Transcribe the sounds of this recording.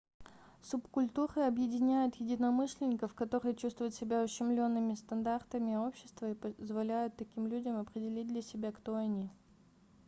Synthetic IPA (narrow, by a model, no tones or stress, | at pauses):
sʊpkʊlʲt̪uɾɨɐbjɪdʲɪnʲæjʊt̪jɪdʲɪnɐmɨʂlʲɪnʲɪkəfkɐt̪o̞ɾɨjət͡ɕust̪vʊjʊt̪sʲɪbʲaʊɕːɪmlʲo̞nːɨmʲɪst̪ɐnd̪art̪əmʲɪo̞pɕːɪ̥st̪vəipəzvɐlʲæjʊt̪ːɐkʲimlʲudʲəmɐpɾʲɪdʲɪlʲit̚ʲd̪lʲɐsʲɪbʲakt̪o̞ɐnʲi